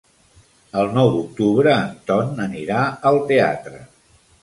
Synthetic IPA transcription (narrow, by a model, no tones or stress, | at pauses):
əlˠnɔwd̪uk̚t̪uβɾəːnt̪ɔnəniɾaəlˠt̪ea̰t̪ɾə